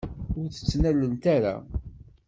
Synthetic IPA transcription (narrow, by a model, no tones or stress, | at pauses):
ʊɾθə̥t͡sːnælːənt̪æɾa̰